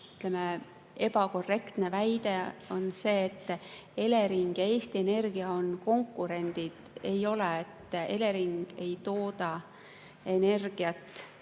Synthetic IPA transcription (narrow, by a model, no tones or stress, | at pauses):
yt̪ˑleme | e̞b̥ɑko̞rːe̞kt̪ne̞væjd̪̥e̞o̞nse̞ːt̪ːe̞le̞ɾiŋɡ̥jɑeːst̪ie̞ne̞rɡ̥iɑo̞nko̞ŋkːˑuɾe̞nd̪̥id̪̥e̞jo̞leet̪ːe̞̰leɾiŋɡ̥e̞jt̪o̞ːd̪̥ɑ | e̞ne̞rɡ̥iɑt̪ːˑ